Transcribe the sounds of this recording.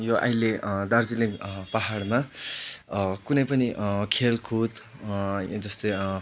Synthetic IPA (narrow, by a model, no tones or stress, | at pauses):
joʔa̰jled̪ard͡ziliŋkpaɦaɽma | kunʌjpʌniʔkʰelkʰut̪ | d͡zʌst̪oj